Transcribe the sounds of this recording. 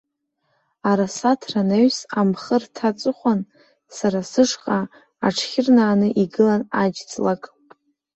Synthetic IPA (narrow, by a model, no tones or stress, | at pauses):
aɾasatʰranaɥsamχərtʰat͡sʷʼɨχʷan | saɾasɨʂqʼa | aʈ͡ʂʰχʲɪrnaːnɨʔiɡɨlanad͡ʒt͡sʼlakʼ